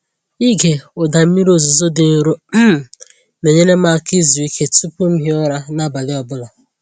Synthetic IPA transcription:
i˦ɡe˨ʊ˨da˨m̩˦mi˦ɾo˨zu˨zo˦dɪ˨n̩˦ɾo˦m̩˦˨ | ne˨ɲe˦ne˦ma˦˨ki˦zu˨i˦kʰe˦tu˦pʊ˦m̩˦ɦi˦ɔ˦ɾa˦na˦ba˨lɪ˦ɔ˨bʊ˦la˨

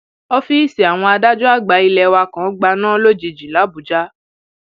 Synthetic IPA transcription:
ɔ˦fi˦i˦˨si˨a˨w̃ɔ̃˧a˧da˦d͡ʒɔ˦a˦˨ɡ͡ba˨˦i˧lɛ˧wa˧kã˨˦ɡ͡ba˧nã˦lo˦d͡ʒi˧d͡ʒi˨la˨˦bu˨d͡ʒa˦

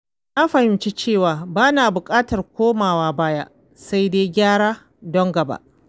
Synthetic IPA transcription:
na˦ɸɐ˨hɪ˨mt͡ʃi˦t͡ʃeː˦˨waː˨baː˦naː˨bʊ˨kʼaː˦tɐ˨rkʷoː˦maː˨waː˦baː˦ja̰˦ʔ | sa˦jdeː˦jɡʲaː˦ɽaː˦ | dɔ˦ŋɡɐ˨ba̰˦ʔ

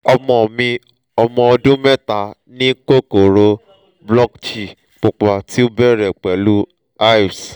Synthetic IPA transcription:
ɔ˧mɔ̃˧˨mĩ˧ | ɔ˧mɔ̃˧ɔ˧dũ˦mɛ˦ta˨ | nĩ˦ko˦˨ko˨ɾo˧ | blɔ˦kt͡ʃi˨ | k͡po˨k͡pa˨ti˦o˦bɛ˦ɾɛ˨k͡pɛ˨lu˦ | a˦i˨s

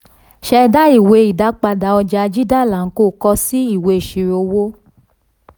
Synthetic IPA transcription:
ʃɛ˧da˦i˦˨we˧i˨da˨˦k͡pa˧da˨˦ɔ˧d͡ʒa˧˦˧d͡ʒi˦da˦˨la˨˦ko˦˨kɔ˧si˦i˦˨we˨˧˨ʃi˨˧˦ɾo˧wo˦

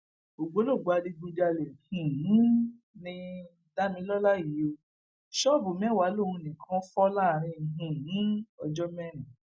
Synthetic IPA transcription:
o˨ɡ͡bo˨˦lo˦˨ɡ͡ba˧di˧ɡ͡bu˧d͡ʒa˧le˨hĩ˨ĩ˨˦ | nĩ˧˦ | da˦mĩ˧˦lɔ˦la˦˨ji˨˦o˧ | ʃɔ˦˨bo˨m˦ɛ̃˦˨wa˨˦lo˦˨ũ˧nĩ˨kʰã˧˦fɔ˦la˦˨ɾ̃ĩ˧˨ɦĩ˨ĩ˨˦ɔ˧d͡ʒɔ˦mɛ˦nĩ˨

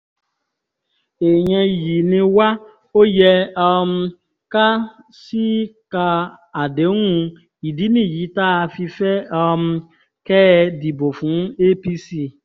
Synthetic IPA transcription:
e˨ɲe˦ji˨nɪ̃˦wa˦ | o˦je˦ɔ˧m̩˦ | ka˦ | si˦ka˨ | a˨de˨˦ŋʷũ˦ | i˨di˦nĩ˦˨ji˨˦ta˦˧fi˧fe˦ɔ˧m̩˦ | kɛ˦˧di˨bo˨fu˨˦n̩˦e˦pi˦si˦

